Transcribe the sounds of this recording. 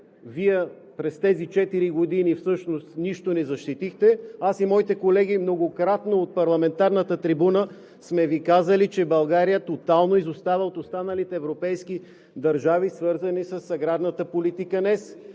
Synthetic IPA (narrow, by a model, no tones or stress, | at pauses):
viɛ | pɾɛst̪ɛzit͡ʃɛt̪iɾiɡod̪inifsɤʃnost̪niʃt̪onɛzɐʃt̪it̪ixt̪ɛasimɔit̪ɛkolɛɡ̟imnoɡokɾat̪noot̪̚pɐɾlˠɐmɛnt̪aɾnət̪ət̪ɾibunə | smɛvikazəlit͡ʃɛbɐlˠɡaɾijət̪ot̪alˠnoizost̪avɛot̪ost̪anəlit̪ɛːvɾopɛjski | d̪ɐɾʒavisvɤɾzənisəsːɐɡɾad̪nət̪əpolit̪ikənɛs